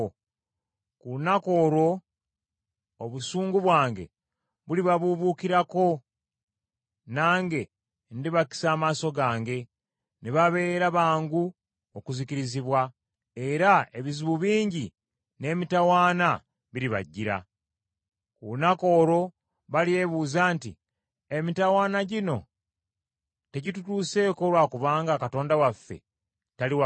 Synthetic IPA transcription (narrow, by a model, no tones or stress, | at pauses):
kunako̞ːɾo̞ | oβusuːŋɡuβwaːŋɡe̞̰ | βuliβaβuβukiɾako̞ | naːŋɡe̞ | ndiβaki̥saːmaːso̞ɡaːŋɡe̞ | neβaβe̞ːɾaβaːŋɡu | okuziciɾiziβwa | e̞ɾae̞βiziβuβiːɲɟi | ne̞ːmitawaːna | βiɾiβa̰ɟːiɾa̰ | kunako̞ːɾo̞ | βalie̞βuːzaːntḭ | emitawaːnaɟino̞ | te̞ɟitutuːse̞ko̞lwaːkuβaːŋɡakato̞ːndawafːe̞̰ | taliwa